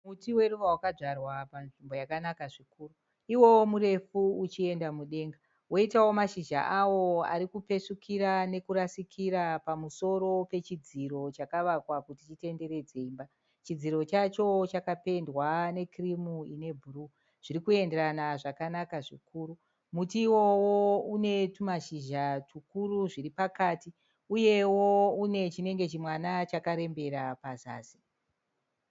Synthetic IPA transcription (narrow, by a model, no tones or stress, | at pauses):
mutiwe̞ruʋawakaʐarwapanʐimbo̞jakanakaʐikuːru | iwo̞womuɾe̞fuut͡ʃie̞ndamuɗe̞ːŋɡa | woitawo̞maʃid͡ʒa̰ʔawo̞a̰ɾikupe̞ʂukʰiɾane̞kuɾasikʰiɾapamuso̞ɾo̞pe̞t͡ʃid͡ziɾo̞t͡ʃakaʋakwakutit͡ʃite̞nde̞ɾe̞d͡ze̞imba | t͡ʃid͡ziɾo̞t͡ʃat͡ʃo̞t͡ʃakape̞ndwane̞krimuine̞bʱuru | ʐ̥iɾikue̞ndeɾanaʐakanakaʐikuːɾu | mutiwo̞woune̞tumaʃiʒatukuɾuʐiripakati | uje̞woune̞t͡ʃine̞ŋɡe̞t͡ʃimwanat͡ʃakaɾe̞mbe̞ɾapaza̰ːzi